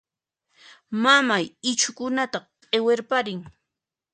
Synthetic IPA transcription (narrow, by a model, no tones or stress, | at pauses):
mamajɪt͡ʃʊkʊnat̪aqʼeweɾpaɾɪŋ